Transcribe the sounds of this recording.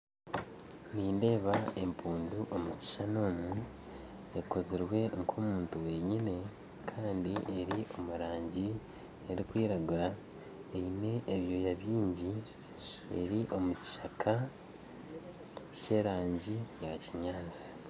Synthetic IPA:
niːnde̞ːβae̞mpuːnduʔo̞muci̥ʃano̞ːmu | eko̞ziɾwe̞ŋkʰo̞ːmuːntuwe̞ːɲine̞ | kʰaːndiʔeɾiʔo̞muɾaːɲɟi | eɾikwiːɾaɡuɾa | eine̞ʔeβjo̞jaβiːɲɟi | e̞̰ɾiʔo̞muci̥ʃakʰa | ce̞ːɾaːɲɟijaciɲaːt͡si̥

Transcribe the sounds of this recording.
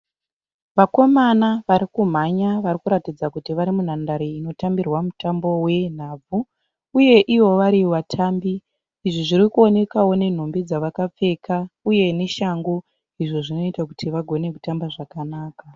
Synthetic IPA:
ʋako̞manaʋaɾikum̤aɲaʋaɾikuɾatid͡zakutiʋaɾimun̤andaɾiino̞tambirwamutambo̞we̞n̤aːb͡vʱuː | je̞ʔiwo̞ʋaɾiʋatʰaːmbi | iʐiʐiɾikuo̞ne̞kawo̞ne̞n̤ombid͡zaʋakap͡fe̞kauje̞ne̞ʃaŋɡo | iʐo̞ʐino̞itakutʰiʋaɡʱo̞ne̞kutambaʐakanaːka

